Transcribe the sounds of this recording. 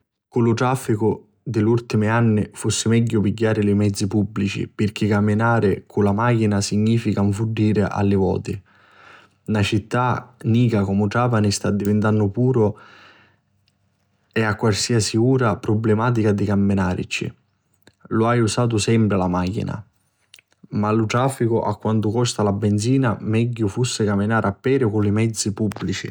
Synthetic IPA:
kulʊt̪ɾafːikʊ | d̪ɪlːult̪imianːɪfusːɪmɛɟːʊpiɟːaːɾɪlɪmɛd̪zːipubːlit͡ʃḭpɪrk̟ɪkːamːɪnaːɾɪkʰʊlamaːk̟inasiɲːiːfikaɱfuɖːiːɾɪʔa̰lːɪvɔ̰ːt̪ɪ | nat͡ʃit̪ːaniːkakɔmʊʈaːpanɪst̪ad̪ːivɪnt̪anːʊpuːɾʊ | ɛakːwalsiːasiuːɾapɾɔblemaːt̪̬ikad̪ikamːɪnaːɾḭt͡ʃḭ | lʊajusaːt̪̬ʊsɛmpɾɪlamaːkḭna̰ | malʊt̪ɾaːfːikʊʔakːwant̪ʊkɔst̪alabːɛnd̪ziːnamɛɟːʊfusːɪkamːinaːɾapːɛːɾʊkʊlimɛd̪zːipubːlit͡ʃḭ

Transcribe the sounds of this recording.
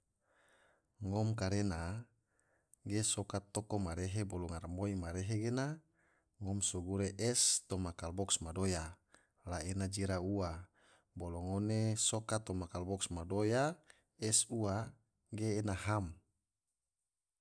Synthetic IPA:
ŋɔmkaɾena | ɡesokat̪ːokomaɾeɦebolɔŋarmoimaɾeɦeɡena | ŋɔmsoɡuɾeʔɛst̪omakalbɔksmadoja | laenad͡ʒiɾaua | boloŋonesokat̪omakalbɔksmadoja | ɛsua | ɡeːnaɦam

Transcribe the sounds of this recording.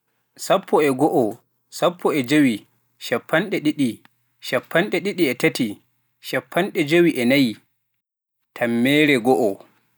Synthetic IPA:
sapʰːɔɛɡɔʔɔ | sapːɔɛd͡ʒowi | ʃapʰːanɗɛɗiɗi | ʃapʰːanɗɛɗiɗiɛtati | ʃapʰːanɗɛd͡ʒowiʔɛnaji | tʰamːɛːɾɛɡɔʔɔ

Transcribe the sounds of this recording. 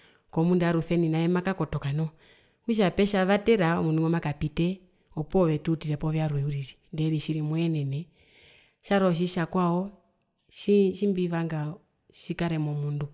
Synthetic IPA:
kɔmundaɾuθɛninaɛmakakɔtɔkanɔ | kuʃ̬apɛʃaβatɛɾamunduŋɡɔmakapitɛ | ɔpɔβɛtutiɾɛpɔβjaɾwɛuɾiɾindɛðiʃiɾimwɛnɛnɛ | ʃaɾɔʃ̬iʃakwaɔ | ʃiʃimbiβaŋɡa | ʃikaɾɛmɔmundu

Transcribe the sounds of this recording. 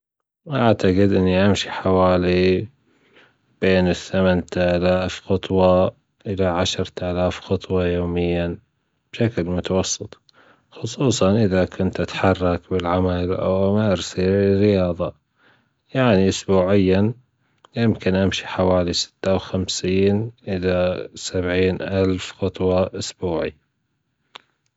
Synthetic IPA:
ʔaʕt̪aqɪd̪ʔɪnːiʔamʃiħawaːli | b̥eːnɪθːamant̪ʔaːlaːfxʊt̪ˤwɑ | ʔɪlaʕaʃɾt̪ʔalaːfxʊt̪ˤwɑjoːmɪjːa | b̥ʃaklmʊt̪awɑsˤːɨt̪ˤ | xʊsˤuːsˤɑnʔɪðakʰʊnt̪ʔat̪ħɑrˤːɑkbɪlʕamalʔa̰wmaɾsiɾɪjɑːðˤɑ | jaʕniʔʊsbuːʕɪjːa | jɪmkɪnʔamʃi̥ħawaːlisɪ̥t̪ːawxamsiːnʔɪlasabʕiːnʔalfxʊt̪ˤwɑʔʊsbuːʕḭ

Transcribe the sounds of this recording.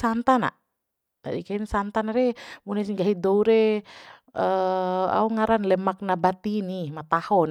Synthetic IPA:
sant̪ana̰ʔ | t̪a̰dikainsant̪anaɾɛmunɛsiŋɡaɦidɔuɾɛ | əa̰uŋaɾanlɛmak̚nabat̪inimat̪ahɔn

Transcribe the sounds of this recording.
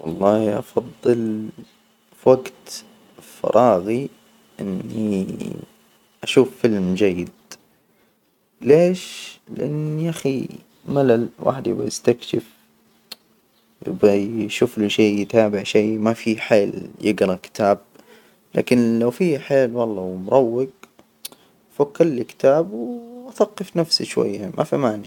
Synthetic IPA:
wɑ̰lˤːɑːhʔɑ̰fɑðˤːɨl | waɡt̪ | fɑ̰ɾˤʔɑːɣi | ʔɪ̰nːi | ʔaʃuːfːɪlmd͡ʒajːɪd̪̚ | leːʃlɪ̰ʔanːiʔaxḭ | malalwʔa̰ːħɪd̪jɪ̰bːajɪst̪akʃɪf | jɪ̰bajʃuːfliʃeːɪt̪aːbɪʕʃeːmafiħeːljɪɡɾˤɑkɪ̥t̪ʰaːb̚ | la̰ːkɪnlawfiːħeːlwɑlˤːɑwmʊɾˤɑwːɪɡ | fakːɑɾˤlikɪ̥t̪aːbwʔaθɑqːɨfnafsiʃwa̰jːamʔa̰fimaːni

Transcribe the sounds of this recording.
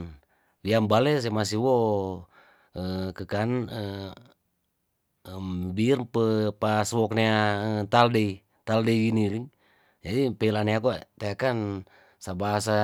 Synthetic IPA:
wiambalɛs̬emas̬iwɔ | əkəkanə | mbirpəpaswɔkniaət̪aldei | t̪aldeiɡiniliŋ | d͡ʒadipelanɛakut̪eakan | sabaasa

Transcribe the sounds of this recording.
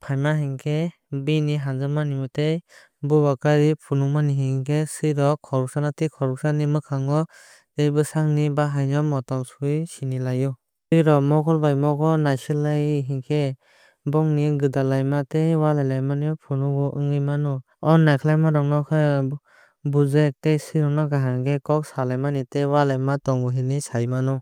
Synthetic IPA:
pʰajmahiŋkʰe | biniɦanzɯmanimɯtej | bubakaɾipʰunumaniɦiŋkʰesɯjɾɔkʰɔɾuk̚sanatikʰɔɾuk̚sanimɯkʰaŋɡɔ | ejbɯsaŋnibaɦajnɔmɔtɔŋsuisinilajɔ | sɯjɾɔmɔkʰɔlbajmɔkɔnajsɯlajɦiŋkʰe | bɔŋniɡɯdalajmatejwalajlajmanijɔpʰunɔɡɔʔɯŋɯjmanɔ | ɔnːajkʰɯlajmaɾɔŋnɔkʰɯ | buzek̚tejsɯjɾɔŋnɔɡaɦaŋɡekɔk̚salajmanitejwalajmatɔŋɡɔɦinisajmanɔ

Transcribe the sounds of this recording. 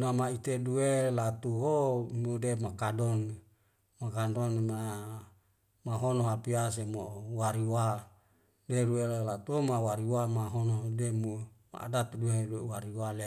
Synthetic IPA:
namait̪eduelat̪uɦomudemakadɔn | makandɔnma | maɦonoɦapias̬emowaɾiwa | deɾuelat̪uomawaɾiwamaɦonodemuma̰a̰dat̪dueduewaɾiwale

